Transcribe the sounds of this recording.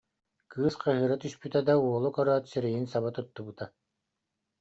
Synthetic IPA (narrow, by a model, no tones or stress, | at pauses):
kʰɯːsqʰaɦɯɾat̪yʃpyt̪ɛd̪auɔlˠɔkœɾøːt̪sɛɾɛjinsaβat̪ɔt̪ːubɯt̪a